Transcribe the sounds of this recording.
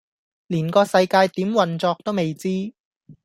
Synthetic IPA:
liː˨˩nkɔː˧sɐ˧jkaː˧jt̪iː˨˥mwɐ˨˩nt͡sɔː˧k̚t̪o˥wme˨jt͡siː˥

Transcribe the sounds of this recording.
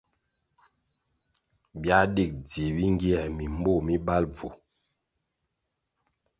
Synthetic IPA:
bja˦di˦˨k̚d͡zi˨bi˦ŋ˦ɡi˦ɛ˨mi˨m˦bo˦˨mi˦ba˦lb͡vu˨

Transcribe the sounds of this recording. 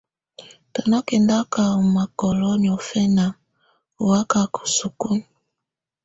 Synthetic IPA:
tɔ˨na˦ke˨nda˦ka˨u˨ma˨kɔ˨lɔ˦ɲ˨ɔ˨fɛ˦na˨ | u˨wa˦ka˦kɔ̥˨su˨ku˦n˨

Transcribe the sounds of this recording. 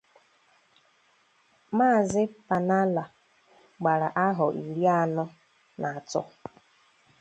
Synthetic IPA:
maː˦˨zɪ˦pa˨na˦la˨ | ɡ͡ba˨ɾa˨ʔa˦ɦʊ˨ʔi˨ɾi˦a˦nʊ˦ | nʔa˨a˨tʊ̰˦

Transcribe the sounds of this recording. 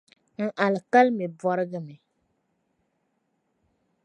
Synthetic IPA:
ŋ̩˨ʔa˨lka˦lme˨bɔ˦ɾɨ˦ɡə˦mɛ˨

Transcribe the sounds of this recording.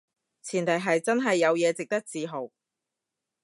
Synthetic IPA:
t͡sʰiː˨˩nt̪ʰɐ˨˩jɦɐ˨jt͡sɐ˥nɦɐ˨jːɐ˨˧wjɛː˨˧t͡sɪ˨k̚t̪ɐ˥k̚t͡siː˨˧ɦo˨˩w

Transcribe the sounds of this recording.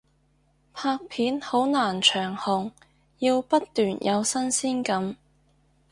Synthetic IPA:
pʰaː˧k̚pʰiː˨˥nho˨˥wnaː˨˩nt͡ʃʰœː˨˩ŋhʊ˨˩ŋ | jiː˧wpɐ˥t̪ːyː˨˩njʔɐ˨˧wsɐ˥nsiː˥nkɐ˨˥m

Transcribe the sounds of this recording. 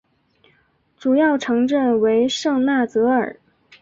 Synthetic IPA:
ʈ͡ʂu˨˩jɑ˥˩ʊʈ͡ʂʰɤ˧˥ŋʈ͡ʂə˥˩nwe˧˥ɪʂɤ˥˧ŋna˥˩t͡sɤ˧˥ə̰˞˨˩˦

